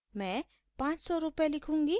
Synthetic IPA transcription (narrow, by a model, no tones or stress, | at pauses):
mẽ | pãt͡ʃsɔɾupjalikʰũŋɡi